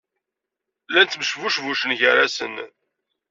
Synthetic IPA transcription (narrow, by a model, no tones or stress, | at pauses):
lænt̪mʃvuʃvuʃənʝəɾæsə̰n